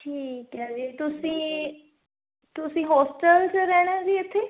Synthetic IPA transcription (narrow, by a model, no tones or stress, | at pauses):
ʈʰiːkɛːd͡ʒiet̪ʊsĩː | t̪ʊsĩːɦɔːsʈəlt͡ʃəɾɛːɽ̃aziːet̪ʰːeː